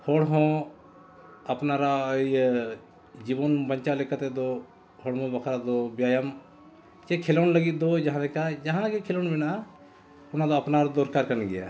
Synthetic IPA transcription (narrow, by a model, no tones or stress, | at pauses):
hoːɽɦõ | ɐpnaɾa | d͡ʒibonbəɲt͡ʃalekat̪ed̪o | ɦoɽmõbɐkʰɾad̪objaːjəm | t͡ʃekʰelonləɡid̪od͡ʒɐɦãlekad͡ʒɐɦãkekʰeloːnbɪna | ʊnãd̪oɐpnaɾd̪oːɾkaːɾkɐɾnɡija̰